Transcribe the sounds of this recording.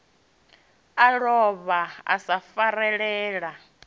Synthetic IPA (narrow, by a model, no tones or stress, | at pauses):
aɺɔβaa̰safaɾɛɺɛːɺa